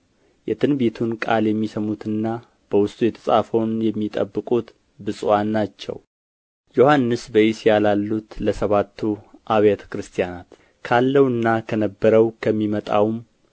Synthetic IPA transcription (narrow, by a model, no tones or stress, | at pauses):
jɛt̪ʰɨnbe̞t̪ʰunkʼaljɛmːisəmut̪ʰɨnːa | b̥əwʊst̪ʼujɛt̪ʰə̥sʼa̰fownjɛmːit̪ʼə̰bːɨkʼut̪ | bɨsʼwanːat͡ʃːɛ̰w | jo̞hanːɨsbəjisjalalːut̪ləsəβat̪ʰːuʔaβjat̪ʰə̥kɾɨst̪ʰijanat̪ | kʰalːəwɨnːakʰənəbːəɾəwkʰəmːimət̪ʼa̰wm